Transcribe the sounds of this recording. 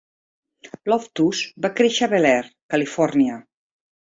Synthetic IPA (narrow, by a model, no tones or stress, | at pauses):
lɔft̪usbakɾeʃəaβelɛɾkalifɔɾniə